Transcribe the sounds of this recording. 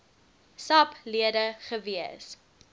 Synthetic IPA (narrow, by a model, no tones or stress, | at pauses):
sɐpliədəχəviəs